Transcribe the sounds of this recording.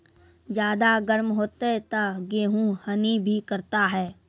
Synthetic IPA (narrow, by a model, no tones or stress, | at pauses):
d͡ʒjaːd̪aɡəɾmɦoːt̪et̪aɡeːɦũhənibʱikəɾt̪aɦɛː